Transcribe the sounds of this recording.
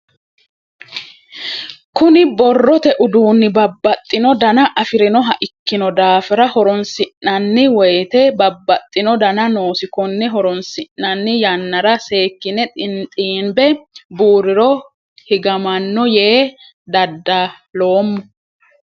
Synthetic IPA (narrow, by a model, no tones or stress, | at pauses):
kʊnɪbɔrːɔt̪ɛʔʊd̪uːnːɪbɐbːɐt̪ʼːɪnɔd̪ɐnɐʔɐfɪɾɪnɔɦɐʔɪkːɪnɔd̪aːfɪɾɐhɔɾɔnsɪnːɐnːɪwɔjt̪ɛbɐbːɐt̪ʼːɪnɔd̪ɐnɐnoːsɪkɔnːɛɦɔɾɔnsɪnːɐnːɪjɐnːɐɾɐse̞ːkːɪnɛt̪ʼɪnt̪ʼiːmbɛbuːɾɪɾɔ | hɪɡɐmɐnːɔjeː | d̪ɐd̪ːa | lo̞ːmːɔ